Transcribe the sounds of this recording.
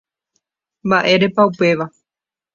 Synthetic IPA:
mbaʔe̞ɾe̞paupe̞ʋa

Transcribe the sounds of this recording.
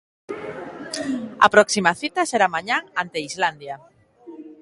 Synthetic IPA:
a̰pɾɔksimaθit̪aseɾamaɲaŋant̪eizland̪ja

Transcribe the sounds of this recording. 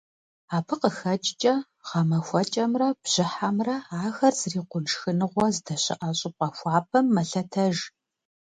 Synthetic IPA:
aːpʰɨqəxɐt͡ʃʼt͡ʃʼɐ | ʁɐmɐxʷɔt͡ʃʼɐmrɐbʑ̥ɪħamrɐaːxɐrzriːqʷʊnʂxɨnɨʁʷɔzdɐɕɪ̰ʔɐɕʼɪp̚qʼɐxʷɑːpʰɐmːɐɬɐtʰɐʒ

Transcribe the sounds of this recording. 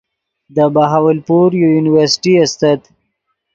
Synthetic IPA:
d̪əbaɦawəlpuɾjojunɪwəɾsɪ̥ʈiast̪at̪

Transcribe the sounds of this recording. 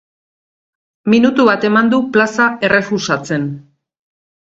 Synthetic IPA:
minut̪uβat̪e̞mand̪uplasae̞re̞fusat͡se̞n

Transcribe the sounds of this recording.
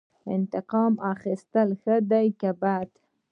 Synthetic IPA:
ɪ̰nt̪ɪqɑmɑxist̪əlxəd̪ajkabad̪

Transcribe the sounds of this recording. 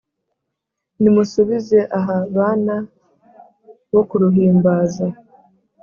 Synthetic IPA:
nimusuβize̞ʔaɦaβaːna | βo̞kuɾuɦiːmbaːza

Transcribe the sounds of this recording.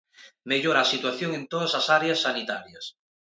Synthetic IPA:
meʎoɾaːsit̪waθjoŋẽnt̪oð̞asasaɾeasːanit̪a̰ɾjɐs

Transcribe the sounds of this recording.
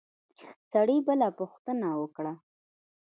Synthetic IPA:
saɽibəlapʊxt̪ənawəkɽa

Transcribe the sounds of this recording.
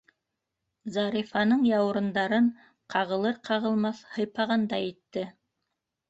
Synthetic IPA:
zɑɾifɑnɤɴjɑw̆ɾɤ̆nd̪ɑɾɤɴ | qʰɑʁɤ̆lˠɤɾqʰɑʁɤ̆lˠmɑθhɤ̆jpɑʁɑnd̪ɑjit̪ːɘ

